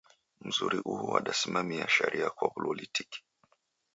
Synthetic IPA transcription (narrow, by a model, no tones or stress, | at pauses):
m̩zuɾiʔuhuaɗasimamiaʃɛɾʔiakwapɔlɔlitiki̥